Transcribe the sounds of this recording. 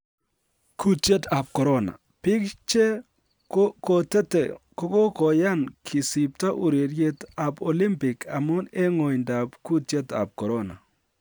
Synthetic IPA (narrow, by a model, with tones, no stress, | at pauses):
kʰu˦te˦ta˨p̚kɔ˨ɾɔ˦na̰˨ | pɪ˦kt͡ʃe˦ | kɔ˨tɛ˦tɛ̰˨kɔ˦kɔ˦kɔ˨ja˦˨nkʰɪ˨sɪ˨p̚ta˦ʔu˨ɾe˨ɾje˦ta˨pɔ˨lɪ˦mpɪ˨kʰa˨mʊ˦ne˦ŋɔ˨jnda˨pku˦te˦ta̰˨p̚kɔ˨ɾɔ˦na̰˨